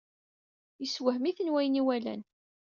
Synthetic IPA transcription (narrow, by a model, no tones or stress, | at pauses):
jəswəɦmiθənwæjniwælæ̰n